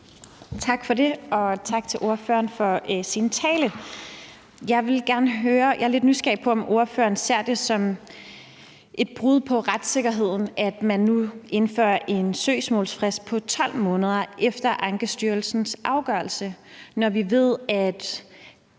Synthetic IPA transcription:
t͡sʰɑ̈ɡ̥fɒ̽de̝ɒ̽t͡sʰɑ̈ɡ̥̚t͡sʰe̝lʔo̝ɐfø̰ɐnfɒ̽sint͡sʰɛːlə | jɑ̈ɪʋe̝lɡ̥æɐnəɦøːɐjʔɑhɑ̈le̝d̥nysɡ̥ɛ̰ːpʰɒ̽ɒ̽mo̝ɐfø̰ɐn̩se̝ɐ̰d̥e̝sɒ̽m | ʔe̝d̥̚b̥ʁuð̰ˠpʰɒ̽ʁad̥se̝ɡ̥ɐɦe̝ð̞̰ˠn̩ʔæd̥mænːuʔe̝nfø̰ɐʔe̝nsø̰ːsmɔ̰̽ːlsfʁɛsd̥̚pʰɒ̽t͡sʰɒ̽l̰mɔ̽ːnəð̞ˠɐʔefd̥ɐʔɑ̈ŋɡ̥əsd̥yɐlsn̩sʔɑ̈ʊɡ̥ɶɐlsənɒʋiʋe̝ð̞̰ˠæd̥

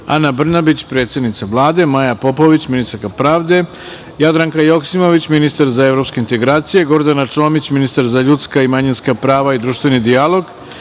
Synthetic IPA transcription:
a̰nabr̩nabit͡ɕpɾe̞ːt̪sje̞d̪nit̪saʋlˠaːd̪e̞majapo̞po̞ʋit͡ɕminist̪aɾkapɾaːʋd̪e̞ | jad̪ɾaŋkajo̞ksimo̞ʋit͡ɕminist̪aɾzae̞vɾo̞pske̞int̪e̞ɡɾaːt̪sije̞ɡo̞ɾd̪anat͡ʂo̞ːmit͡ɕminist̪aɾzaʎut̪skaimaɲinskapɾaːʋaid̪ɾuːʃt̪ʋe̞nid̪ijalˠo̞ɡ

